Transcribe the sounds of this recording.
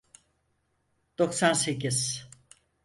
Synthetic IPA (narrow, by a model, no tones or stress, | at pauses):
d̪̥o̞ksanse̞cʰiz̥